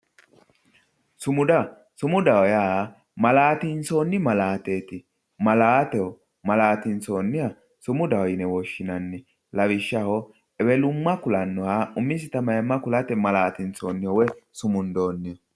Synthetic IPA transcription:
sʊmʊd̪ɐ | sʊmʊd̪ɐwɔja | mɐlaːt̪ɪnt͡soːnːɪmɐlaːt̪eːt̪ɪ | mɐlaːt̪ɛhɔ | mɐlaːt̪ɪnt͡soːnːɪhɐ | sʊmʊd̪ɐwɔjɪnɛwɔʃːɪnɐnːɪ | lɐwɪʃːɐhɔ | ɛbɛlʊmːɐkʊlɐnːɔhaʊmːɪs̬ɪt̪ɐmɐjɐmːɐkʊlɐt̪ɛmɐlaːt̪ɪnt͡soːnːɪhɔwɛsʊmʊnd̪oːnːɪjɔ

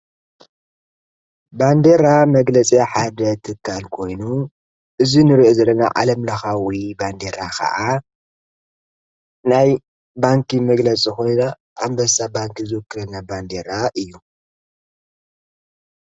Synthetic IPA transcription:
band̪eɾamɐɡlɐt͡sʼiaħad̪ɐt̪ʰɨkʰːalkʰo̞jnu | ʔɨzinɨɾiʔozɐlːɐna̰ʕa̰lɐmlɐxawiband̪eɾakʰɐ̰ʔa | naj | baŋkʰimɐɡlɐt͡sʼikonna | ʔːmbɐsabaŋkizɨwɨkːɨɾɐnːaband̪eɾaʔɨjːu

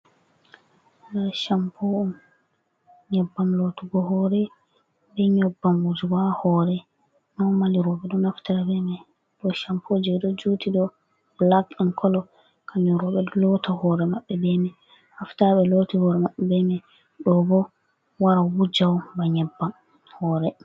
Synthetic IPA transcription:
aʃampʰoum | ɲɛbːamlotuɡɔhɔɾɛ | bɛɲɔbːamwud͡ʒiwahɔɾɛ | nɔmaliɾɔɓɛɗɔnaftaɾabɛmɛ | ɗɔʃampʰɔd͡ʒɛɗɔd͡ʒutʰiɗɔ | blakɛnkʰɔlɔ | kʰaɲɔɾɔɓɛlɔtahɔɾɛmaɓːɛbɛmɛ | haftaɓɛlotihɔɾɛmaɓːɛbɛmɛ | ɗɔbɔ | waɾawud͡ʒawbaɲɛbːam | hɔːɾɛ

